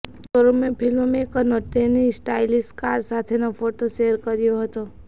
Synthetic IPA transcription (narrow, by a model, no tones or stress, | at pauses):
toɾomẽpʰɪlmmẽkənot̪enisʈaːɪlɪsʈkaːɾsat̪ʰenapʰoʈoʃeəɾkəɾijoɦət̪o